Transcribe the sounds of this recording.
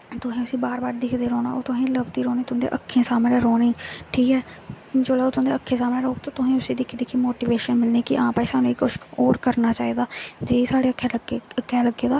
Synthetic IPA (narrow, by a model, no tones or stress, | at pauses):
t̪ʊsĩːʊsĩːbaːɾbaːɾd̪ɪkʰd̪eːɾoːna̰ːoːt̪ʊɦĩːləbt̪iːɾoːniːt̪ʊɦːd̪ḛʔəkʰːẽːsaːmlɛ̃ːɾoːniːʈʰiːkɛː | d͡ʒoːlɛːoːt̪ʊãːd̪eːəkʰːẽːsaːmlɛ̃ːɾoːk̚t̪aːt̪ʊsĩːʊsĩːd̪ɪkʰd̪eːkʰiːmoːʈiːʋeːʃənmɪlneːkɪʔãːpaːiːsaːnũːekoʃoːɾkəɾnaːt͡ʃaːiːd̪aːd͡ʒeːiːsaːɽeːəkʰːeːləɡeəkʰːɛːləɡeːd̪aː